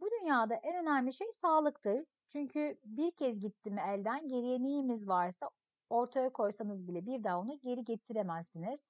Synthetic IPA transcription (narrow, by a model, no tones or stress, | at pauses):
bud̪ynjaːd̪aʔɛnø̞næmlʲiʃejsaːlˠɯkt̪ʰɯɾ | t͡ʃʰyɲcʰybiɾcʰɛzɟit̪ʰːimiɛlʲd̪ænɟe̞ɾije̞nijimizvaɾsa | o̞ɾt̪ʰajakʰo̞jsanɯzbilʲɛbiɾd̪aːo̞nuɟe̞ɾiɟe̞t̪ʰiɾemæzːiniz̥